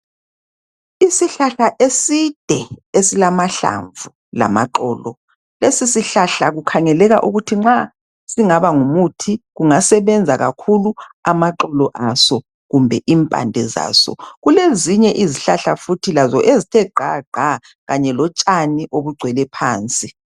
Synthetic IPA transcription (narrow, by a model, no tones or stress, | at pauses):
isiɬaɬaʔesid̥ʱɛesilamaɬa̰ɱvu | la̰maǃɔːlɔ | lesisiɬaɬaɣukʰaŋɛlɛɣaʔuɣutʰiŋ͡ǁa | siŋaβaŋumutʰiɣuŋasɛβɛnd͡zʱaɣakʰuluamaǃɔlɔʔasɔ | ɣumbʱɛʔimpʼa̰ndʱɛza̰ːsɔ̰ɣuleziɲɛʔiziɬaɬafutʰilazɔʔezitʰɛɡ͡ǃʱaɡ͡ǃʱa | ɣaɲɛlɔt͡ʃʼaniʔoβuɡ͡ǀʱwɛlɛpʰaːnt͡sʼi